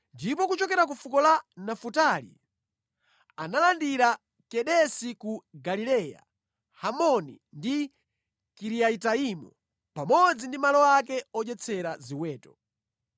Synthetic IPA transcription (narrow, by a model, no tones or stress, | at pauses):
ndipɔkut͡ʃɔkɛɾak̬ufukɔlanafutalḭ | analandiɾa | kɛɗɛsikuɡalilɛja̰ | hamɔni | ndi | kiɾiaitaimɔ̰ | pamɔd͡zindimalɔak̬ɛɔd͡ʒɛt͡sʰɛɾaziwɛːtɔ